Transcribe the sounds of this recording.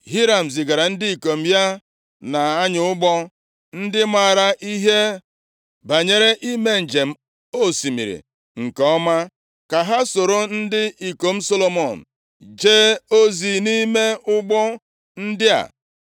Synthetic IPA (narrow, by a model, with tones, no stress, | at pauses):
ɦi˦ɾa˨m̩˨zɪ˨ɡa˨ɾa˨n̩˦dɪ˦i˨ko˨m̩˦ja˦ | na˨a˦ɲʊ˨˦ʊ˦ɡ͡bɔ˦ | n̩˦dɪ˦ma˨ɾa˦ʔi˦ɦe˦ | ba˨ɲe˨ɾe˦ʔi˦me˦n̩˨d͡ʒe˨m̩˦ | o˦˨si˨mḭ˨ɾḭ˨ | ŋ̩˨kɔ˦ma˦ | ka˨ɦa˦so˨ɾo˦n̩˦dɪ˦i˨ko˨m̩˦so˦lo˨mɔ˨n̩˨ | d͡ʒe˦o˦zi˨ni˦me˦ʊ˦ɡ͡bɔ˦ | n̩˦dɪ˦a̰˨